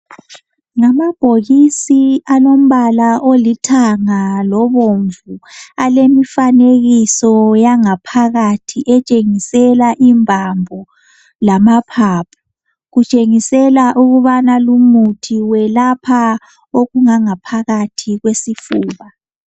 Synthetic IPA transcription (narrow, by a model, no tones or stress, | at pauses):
ŋamab̥ʱoɣisianom̩βalaʔolitʰaŋalɔβoɱvualemifaneɣisɔjaŋapʰaɣatʰiʔɛt͡ʃʼeŋisɛlaʔimbʱambʱɔ | lamapʰaːpʰḁ | ɣut͡ʃʼeŋisɛlaʔuɣuβanalumutʰiwɛlapʰa | oɣuŋaŋapʰaɣatʰiɣwesifuːβa